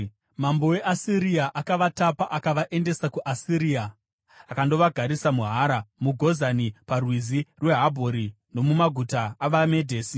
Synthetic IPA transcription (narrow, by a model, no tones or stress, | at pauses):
mambo̞we̞ʔasiɾiaʔakaʋatapaʔakaʋaʔe̞nde̞sakuʔasiɾiːa | akando̞ʋaɡʱaɾisamuɦaːɾamuɡʱo̞zaniparwizirwe̞ɦabʱoɾi | no̞mumaɡʱutaaʋame̞dʱeːsi